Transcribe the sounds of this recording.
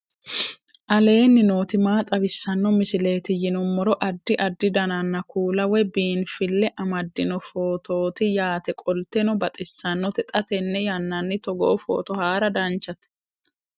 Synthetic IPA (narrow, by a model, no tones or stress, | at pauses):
ʔɐle̞ːnːɪno̞ːt̪ɪmaːt̪ʼɐbɪsːɐnːɔmɪsɪle̞ːt̪ɪjɪnɔmːɔɾɔʔɐd̪ːɪʔɐd̪ːɪd̪ɐnɐnːɐkuːlɐwɛbiːnfɪlːɛʔɐmɐd̪ːɪnɔfo̞ːt̪o̞ːt̪ɪjaːt̪ɛkʼɔlt̪ɛnɔbɐt̪ʼɪsːɐnːɔt̪ɛt̪ʼɐt̪ɛnːɛjɐnːɐnːɪt̪ɔɡo̰ːfo̰ːt̪ɔhaːɾɐd̪ɐnt͡ʃːɐt̪ɛ̥